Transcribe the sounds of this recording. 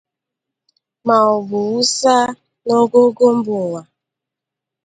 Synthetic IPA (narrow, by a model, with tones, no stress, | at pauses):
ma˨ʊ˨ɡ͡bʊ˨u˦sa˦ | no˦ɡo˦ɡo˦m̩˦bʊ˨wa˨